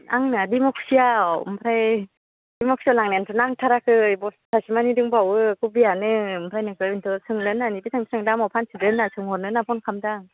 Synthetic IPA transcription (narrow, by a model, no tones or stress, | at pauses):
aŋnadimɔksiaɯ̰mpʰɾaj | d̥imɔk̚sialaŋnantʰɔnaŋtʰaɾakʰɯjbɔsasimanidɯŋbawɯkubijanɯɯmpʰɾajnɯkɯɯntʰɔsɯŋlɯnːanibitʰaŋbitʰaŋdamawpʰansʰɯdɯnːasʰɯŋɔnɯnapʰɔnkʰamdaŋ